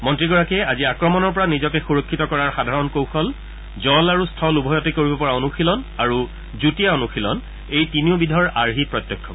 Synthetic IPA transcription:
mɔntɹiɡɔɹakiɛaziakɹɔmɔnɔɹp̬ɔɹanizɔkɛxuɹokʰːitɔkɔɹaɹxadʱaɹɔnkowxɔl | zɔlaɹustʰɔlubʱɔjɔtekoɹibɔpɔɹaonuxilɔnaɹu | zutijaonuxilɔn | ejtiniobidʱɔɹaɹɦipɹɔt̪jɔkʰːɔ̰

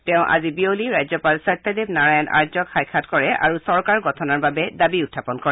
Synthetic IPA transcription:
tɛʊ̃ʔa̰zibioliɹajzɔpalsat̪ːadebnaɹajɔna̰ɹzɔkxajkʰatkɔɹɛʔa̰ɹusɔɹkaɹɡɔtʰɔnaɹbabɛdabiutʰːapɔnkɔɹɛ

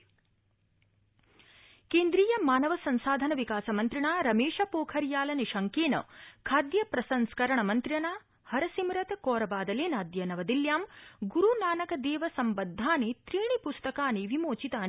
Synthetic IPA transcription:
keːnd̪ɾiːjɐmaːnɐʋɐsɐnsaːd̪ʱɐnɐʋikaːsɐmɐnt̪ɾiɳaːɾɐmeːʂɐpoːkʰɐɾjaːlɐniʃɐŋkeːnɐ̰kʰaːd̪jɐpɾɐsɐnskɐɾɐɳɐmɐnt̪ɾjɐnaː | hɐɾɐsimɾɐt̪koːɾɐbaːd̪ɐleːnaːd̪jɐnɐʋɐd̪iljaːmɡuɾunaːnɐkɐd̪eːʋɐsɐmbɐd̪ʱːaːnet̪ɾiːɳipust̪ɐkaːneʋimoːt͡ʃit̪aːn

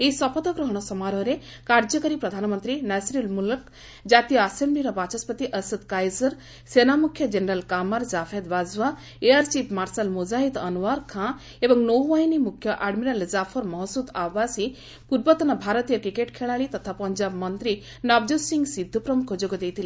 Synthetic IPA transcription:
eisɔpɔt̪ɔɡɾɔɦɔɽ̃ɔsɔmaɾɔɾe | kaɾd͡ʒɔkəɾipɾɔd̪ʱanmənt̪ɾinɛsɾilmulək | d͡ʒat̪ijɔːsembliɾɔbat͡ʃɔspət̪iʔəsəd̪kajzɐɾ | senamukʰjɔd͡ʒeneɾəlkamaɾzapʰed̪ʋazʋa | eaɾsipʰmaɾsalmud͡ʒaɦit̪ɐnuʋaɾkʰã | ebɔŋnowʋajnimukʰjɔʔaɖmiɾalizapʰɔɾmɔɦsud̪aʋasi | kuɾbɔt̪ɔnabʱaɾɔt̪ijəkikeʈkʰeɭaɭit̪ɔt̪ʰapɐɲd͡ʒabmʌnt̪ɾi | nɔbd̪usiŋɡsid̪ʱːupɾɔmukʰod͡ʒɔkud̪ejt̪ʰili

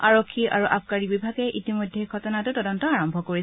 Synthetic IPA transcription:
aɹokʰːia̰ɹuʔa̰p̚kaɹibibʱaɡɛʔitimojdʱɛkʰɔtɔnatʊtɔdɔntɔaɹɔmbʱɔkoɹisɛ

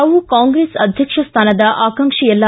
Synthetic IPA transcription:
ɐʋukãŋɡɾesɐd̪ʱjɐkʂɐst̪ʰaːnɐd̪ɐʔaːkɐŋkʂijɐlːa

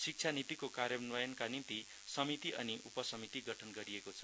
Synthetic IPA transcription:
sik̚t͡sʰanit̪ikokarjʌnwʌjʌnkanint̪i | sʌmit̪iʔʌniʔupʌsʌmit̪iɡʌʈʰʌnɡʌɾiekot͡sʰʌ̥

